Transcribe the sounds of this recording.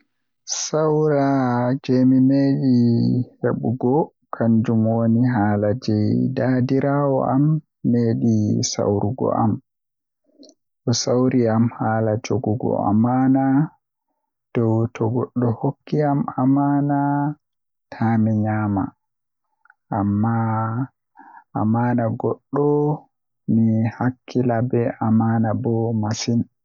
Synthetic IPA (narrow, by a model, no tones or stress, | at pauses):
sawɾad͡ʒemimeɗiheɓuɡɔ | kʰand͡ʒumwoniɦaːlad͡ʒɛjdadiɾawɔ̰ʔamː | eːɗisa̰wɾuɡɔ̰ʔam | ɗɔsawɾiamhaːlad͡ʒoɡuɡɔ̰a̰mana | d̥ɔwtʰɔɡɔɗːɔhokːiamamana | tʰamiɲaːma̰ | ʔamːa | amaːnaɡɔɗːɔ | mihakʰːilabɛʔamanabɔmasin